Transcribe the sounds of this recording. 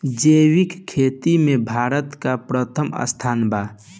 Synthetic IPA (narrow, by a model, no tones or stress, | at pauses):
d͡ʒewikkʰːeːt̪imẽbʱaːɾət̪kapɾət̪ʰəmə̰st̪ʰaːnbaː